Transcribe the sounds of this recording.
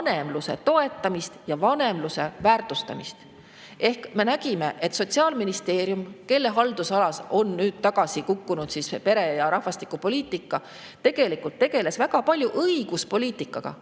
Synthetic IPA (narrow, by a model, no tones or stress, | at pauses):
ɑne̞mluse̞̰t̪o̞e̞t̪ːˑɑmist̪jɑvɑne̞mluse̞væːrt̪ˑust̪ɑmist̪ | ʔe̞hkme̞næɡime̞ʔe̞t̪so̞t̪ʲsiɑːlminist̪e̞ːɾjumke̞lːe̞ɦɑld̪usɑlɑso̞nːyːd̪̥t̪ɑɡ̥ɑsikukːunud̪sispe̞ɾe̞jɑɾɑhvɑst̪i̥kːˑupo̞lʲiːt̪ˑikːˑɑ | t̪e̞ɡ̥e̞likˑult̪ːe̞ɡ̥e̞le̞svæɡɑpɑlʲjuʔɤiɡ̥uspo̞lʲiːt̪ˑikːˑɑɡ̥ɑ̰